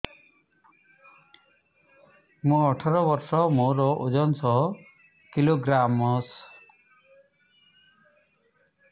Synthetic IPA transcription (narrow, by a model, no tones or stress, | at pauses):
mũɔʈʰɔɾɔbɔɾsɔmoɾɔʔud͡ʒɔnsɔɦɔ | kiloɡɾamɔs